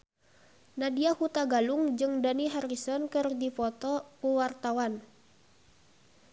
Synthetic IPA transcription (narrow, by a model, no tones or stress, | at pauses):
nadiahut̪aɡaluŋd͡ʒɨŋdaniɦarisɔnkɨrdifɔt̪ɔpəwart̪awan